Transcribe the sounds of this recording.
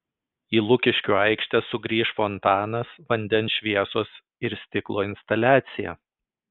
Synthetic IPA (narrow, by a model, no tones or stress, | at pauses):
iːlˠʊkʲɪʃʲkʲuːɐɪkʃʲt̪ʲɛsʊɡɾʲiːʃfɔnt̪ɑːnɐsʋɐnʲd̪ʲɛnsʃʲʋʲiɛsoːs | ɪɾsʲt̪ʲɪklˠoːɪnst̪ɐlʲæːt̪sʲɪjæ̰